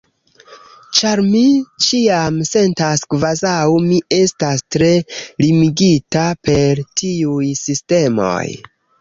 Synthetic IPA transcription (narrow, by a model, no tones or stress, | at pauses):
t͡ʃaɾmit͡ʃiamse̞ntaskvazawmie̞stastɾe̞limiɡitape̞ɾtʰiujsiste̞mo̞̰j